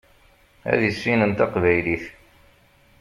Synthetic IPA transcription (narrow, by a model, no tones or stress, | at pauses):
æ̰ðəsːinənt̪ɑqvæjliθ